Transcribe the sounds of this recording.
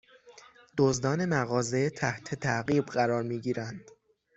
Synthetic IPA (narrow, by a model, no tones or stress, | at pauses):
d̪̥ozd̪ɒːne̞mæɣɒːze̞t̪ʰæht̪ʰe̞t̪ʰæɣiːbɢæɾɒːɾmiːɟiːɾænd̪̥